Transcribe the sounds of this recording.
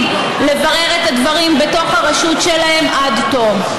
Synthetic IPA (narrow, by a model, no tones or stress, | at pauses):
le̞vɐʁeʁetadvɐʁimbeto̞χhaʁaʃutʃelahe̞mʔad̪to̞v